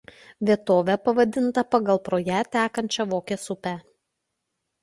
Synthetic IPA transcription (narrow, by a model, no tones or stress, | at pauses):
ʋʲiɛt̪oːʋʲɛpɐʋɐd̪ʲɪnt̪ɐpɐɡɐlˠpɾoːjæt̪ʲæːkɐnʲt͡ʃʲɛʋoːkʲeːsʊpʲæ